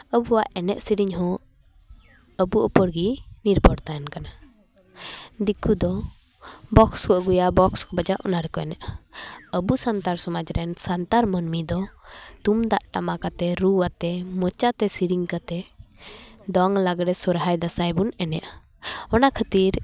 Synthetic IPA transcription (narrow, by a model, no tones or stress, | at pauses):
əbuwaʔɛnɛʔsiɾiɲɦɔ̃ | əbuɔpəɽɡiniɾbʱɔɽt̪ajankana | d̪ikud̪ɔ | bɔksuwəʔɡujabɔkskɔbad͡ʒaʔɔnaɾɛkɔɛnɛʔaəbusant̪aɾsɔmad͡ʒɾɛnsant̪aɾmənmid̪ɔt̪umd̪aʔʈamakat̪ɛɾuwat̪ɛmɔt͡ʃat̪ɛsiɾiŋkat̪ɛ | d̪ɔŋlaɡɾɛsɔɾɦajd̪asajbunɛnɛʔa | ɔnakʰət̪iɾ